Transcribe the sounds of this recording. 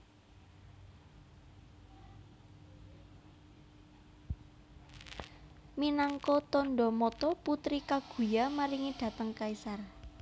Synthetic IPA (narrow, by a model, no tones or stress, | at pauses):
minaŋkɔt̪ɔnɖɔmɔt̪ɔput̪ɾikaɡ̥ṳjamaɾiŋiɖ̪̥ä̤t̪əŋkaisar